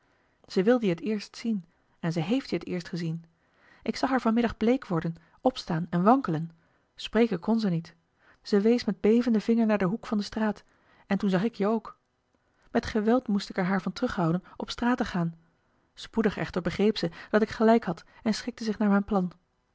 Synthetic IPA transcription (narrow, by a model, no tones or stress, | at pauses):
z̥əʋɪlˠdəɦətɪːɹstsin | ɛnzəjɦejftiətɪːɹstχəzin | ʔɪksɑχɦaːɹvɑnmɪdɑχblejkʋɔɹdən | ɔpstaːnɛnʋɑŋkələn | sprejkəkɔnzənit | z̥əʋejsmɛd̚bejvəndəvɪŋəɹnaːɹdəɦukfɑndəstraːt | ɛntunzɑχɪkjəowk | mɛtχəʋɛlˠtmustɪkɛɹɦaːɹvɑntrɵχɦɑwdənɔpstraːtəχaːn | spudəχɛ̰χtəɹbəχrejpsəd̥ɑtɪkχəlɛjkɦɑt | ɛnsχɪk̚təzɪχnaːɹmɛjnplɑn